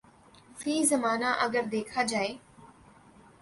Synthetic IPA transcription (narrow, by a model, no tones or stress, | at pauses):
fiːzɐmaːnaʔɐɡəɾd̪eːkʰad͡ʒaːeː